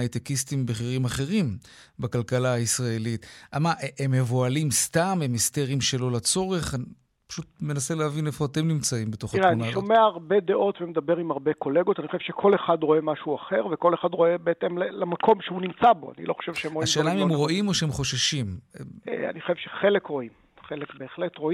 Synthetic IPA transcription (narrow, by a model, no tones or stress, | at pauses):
ait̪ekistimbeχiʁimaχe̞ʁim | bakalkalaːisʁaelitʔamaʔemːevoalimstamemesteʁimʃelo̞lat͡so̞ʁe̞χan | pḁʃut̚me̞naseleavinefo̞ate̞mnimt͡saimbeto̞χaʁeaunaʃomeaːʁbed̪eʔo̞t̪vemed̪abeʁimaʁbeko̞le̞ɡotanixoʃevʃekʰo̞leχad̪ʁo̞emaʃuaχeʁvekoleχad̪ʁo̞ebeet̪emlelemakʰo̞mʃehunimt͡saboa̰nḭlo̞χo̥ʃevʃeemʁoaʃelnaimhemʁo̞ʔimo̞ʃehemχo̞ʃaʃimḛa̰nixχoʃevʃeχelekʁo̞im | χelekbeːχlet̪ʁo̞i